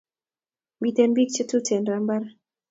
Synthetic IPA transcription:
mbi˨t̪e˨nbi˦k̚t͡ʃə˦tu˦tʰe˨nɾa˨mba˦ɾ

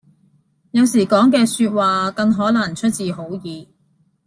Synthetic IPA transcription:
jɐ˨˧wsiː˨˩kɔː˨˥ŋk̬ɛː˧syː˧t̚waː˨kɐ˧ŋɦɔː˨˥lɐ˨˩ŋt͡ʃʰɵ˥t̚t͡siː˨ho˨˥wjiː˨˧

